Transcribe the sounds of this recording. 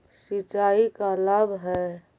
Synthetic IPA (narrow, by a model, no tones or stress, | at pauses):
sit͡ʃaːikalabɦɛ